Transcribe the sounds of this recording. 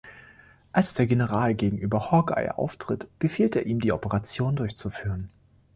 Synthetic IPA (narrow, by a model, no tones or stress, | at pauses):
ʔalsd̥eːɐɡenəʁaːlɡeːɡŋ̩ʔyːbɐhɔɡa̰ɪʔa̰ʊftʁ̥ɪtb̥əfiːlteːɐʔiːmdiːʔɔpəʁat͡sjoːndʊɐçt͡sufyːʁən